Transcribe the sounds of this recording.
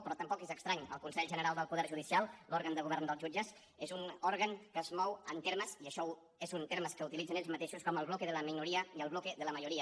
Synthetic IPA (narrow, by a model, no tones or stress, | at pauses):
pɾɔt̪əmpɔkezəkst̪ɾaɲə̰lˠkunsɛʎʒənəɾalˠd̪əlˠpuðɛɾʒuðisialˠlɔɾɣənd̪əɣuβɛɾnd̪əlˠzʒud͡ʒəz | ezunɔɾɣəŋkəzmɔwənt̪eɾməziəʃɔ | ezunt̪eɾməskəut̪ilid͡zəneʎzmət̪eʃuskɔməlˠβlɔkeðələminuɾiəiəlˠβlɔkeðələməʒuɾiə